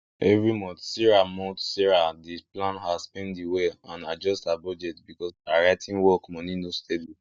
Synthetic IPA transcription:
ɛvɹimɔ̃ntsiɹamɔ̃tsiɹadiplãnhaspɛ̃ndiweãnad͡ʒɔstabɔd͡ʒɛtbikɔsaɹaɪtʰĩnwɔkmɔ̃ninostedi

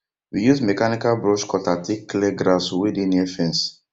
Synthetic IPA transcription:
wijusmɛkanikalbɹɔʃkɔtatʰikːleɡɾaswidĩnɛfɛ̃ns

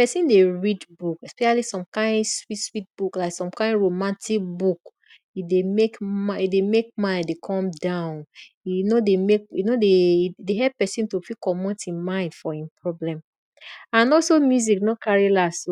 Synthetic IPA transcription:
pɛsĩndeɹidbukɛspɛʃalisɔ̃mkãɪ̃ndswitswit̚b̥uklaɪksɔ̃mkãɪ̃ndɹomãntʰik̚buk | idemekaidemek̚mãndekʰɔ̃mdãʊ̃n | inodemek̚inodeideɦɛppːɛsĩntofikɔmɔ̃ntĩnmãɪ̃ndfɔĩmpʰɹɔblɛ̃m | ãnɔlsomjuziknokʰaɹilaso

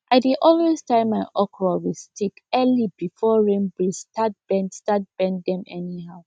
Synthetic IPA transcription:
ʔaɪdiʔɔlwestãɪ̃mːaɪʔɔkɹɔwilstʰikɛlibifɔɹẽnbɹistʰat̚b̥ɛ̃ndstat̚b̥ɛ̃ndɛ̃mɛ̰niɦaʊ

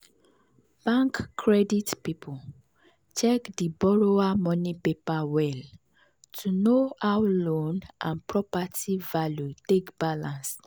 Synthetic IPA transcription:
b̥ãŋkːɹɛditpipʰu | t͡ʃɛkdibɔɹoamɔ̃nipepawɛl | tʰunoawlõnʔãnpɹɔpativaljutekb̥alãns

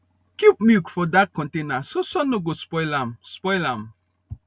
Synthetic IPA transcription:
kupmjukfɔdat̚kɔ̃ntenasosɔ̃noɡospɔɪlãmspɔɪlãm

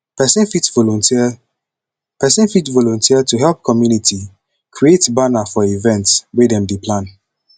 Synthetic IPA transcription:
pɛsɛ̃nfitvɔlɔ̃nti | pɛsɛ̃nfitvɔlɔ̃ntʰiətuɦɛlp̚kʰɔmjunitʰi | kʰɹietbanafɔivɛ̃ntswedɛ̃mdepʰlãn

